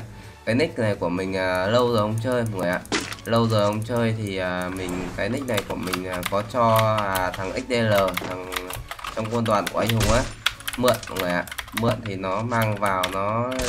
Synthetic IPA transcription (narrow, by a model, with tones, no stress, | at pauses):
kaː˨˦jnï˦˥k̟̚na˨˩jku˧˩əmï˨˩ŋ̟ʔəː˨˩lə˧wzo˨˩jhə˧wŋ͡mt͡ɕəː˧jhə˨˩ŋɨː˨˩jʔa̰ː˧˨lə˧wzo˨˩jhə˧wŋ͡mt͡ɕəː˧jt̪ʰi˨˩ʔəː˨˩mï˨˩ŋ̟kaː˨˦jni˦˥k̟̚na˨˩jku˧˩əmï˨˩ŋ̟ʔaː˨˩kɔ˨˦t͡ɕɔ˧a˨˩t̪ʰa˨˩ŋʔi˦˥k̟̚ɗ̪e˧ləː˨˩t̪ʰa˨˩ŋt͡ɕɔ˧wŋ͡mknt̪waː˨˩nku˧˩ʔa˧ŋ̟hə˧˩wŋ͡mʔaː˨˦mɨ̰˧˨ənha˨˩ŋəː˨˩jʔa̰ː˨mɨ̰˧˨ənt̪ʰi˨˩nɔ˨˦maː˧ŋvaː˨˩wnɔ˨˦